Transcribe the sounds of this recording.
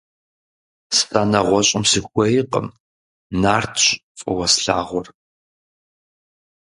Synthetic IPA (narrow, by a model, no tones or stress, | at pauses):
ssanɐʁʷɔɕʼɪmsɨxʷɔjiqə̰m | naːrtʰɕfʼɐ̰wɐsɬaːʁʷɔr